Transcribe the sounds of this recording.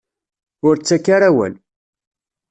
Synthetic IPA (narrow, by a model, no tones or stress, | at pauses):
ʊɾt͡sːækːaɾawə̰n